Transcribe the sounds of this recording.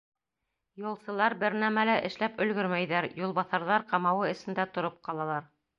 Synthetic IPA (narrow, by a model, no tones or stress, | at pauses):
jŭlˠsɤ̆lˠɑɾbɘɾnæmælæʔɘ̆ʃlæpɵ̆lɡɵɾmæjðæɾjulˠβɑθɑɾðɑɾqɑmɑwɤɘ̆sɘ̆nd̪æt̪ŏɾop̚qɑlˠɑlˠɑɾ